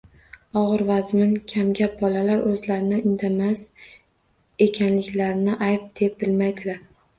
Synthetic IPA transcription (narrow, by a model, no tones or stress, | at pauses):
ɒʁɨɾvazmɪnkʲʰamɡʲap̚bɒlalaɾʔɵzlaɾɪnɪɪnd̪ʰamas | e̞kʲʰanlɪkʲlaɾɪnɪʔajp̚d̪̥e̞p̚bɪlmajd̪ɪlaɾ